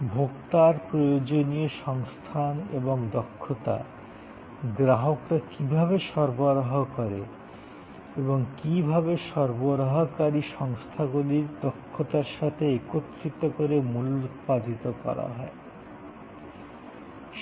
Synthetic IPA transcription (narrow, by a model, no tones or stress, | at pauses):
bʱokt̪aɾpɾojod͡ʑonieʃɔŋst̪ʰanḛboŋd̪ɔkʰːot̪a̰ | ɡɾaɦokɾakibʱaβeʃɔɾboɾaɦokoɾe | eboŋkibʱaβeʃɔɾboɾaɦokaɾiʃɔŋst̪ʰaɡuliɾd̪ɔkʰːot̪aɾʃat̪ʰeekot̪ːɾit̪okoɾemulupad̪ʱit̪okɔ̰ɾa̰ɦɔe | ʃ